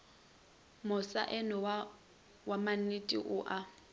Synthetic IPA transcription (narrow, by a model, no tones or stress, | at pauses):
mʊsa̰ʔɛnɔw | waman̩itʼḭʔʊʔa